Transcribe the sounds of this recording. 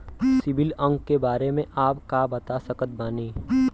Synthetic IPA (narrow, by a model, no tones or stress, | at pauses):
sɪbɪlə̃ŋɡkːebaːɾemẽʔaːpkaːbɐt̪asəkət̪̚baːniː